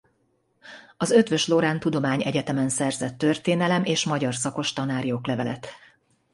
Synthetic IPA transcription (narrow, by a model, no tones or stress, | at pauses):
ɒzø̞t̪ʋø̞ʃloɾaːnt̪ud̪o̞maːɲɛɟɛt̪ɛmɛnsɛrzɛt̪ːø̞rt̪eːnɛlɛmeːʃmɒɟɒrsɒko̞ʃt̪ɒnaːɾijoːklɛvɛlɛ̰t̪